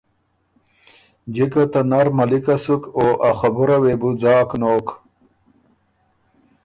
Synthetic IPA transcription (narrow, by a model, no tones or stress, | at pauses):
d͡ʑikat̪anaɾmɐlikasukoʔaxɐbuɾawebud͡zaːknoːk